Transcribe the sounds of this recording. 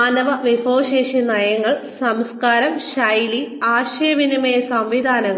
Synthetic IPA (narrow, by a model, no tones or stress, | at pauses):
aːnɐʋɐʋifoːɕeːɕinɐjɐŋːɐɭsɐmskaːɾɐmɕɐjliaːɕeːʋinimejɐsɐmʋid̪ʱaːnɐŋ